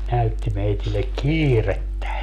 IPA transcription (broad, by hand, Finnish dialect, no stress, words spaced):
næytːi meitilːek kiːretːæ